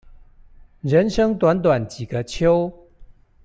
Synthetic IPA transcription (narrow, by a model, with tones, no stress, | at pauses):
ɻə˨˦nʂɤ˥ŋt̪wa˧˦nt̪̬wa˨˩nt͡ɕi˨˩ɡə˨˦t͡ɕʰjo˥˦ʊ